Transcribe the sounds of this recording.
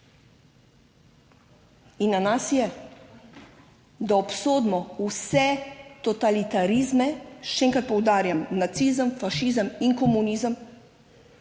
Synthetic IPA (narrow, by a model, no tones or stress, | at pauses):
inːanasjɛ | d̪aɔpsoːd̪mɔusɛt̪ɔt̪alit̪aɾiːzmɛʃɛeːŋkɾat̪̚pɔwd̪aːɾjamnat̪siːzəmfaʃiːzəmiŋkɔmuniːzəm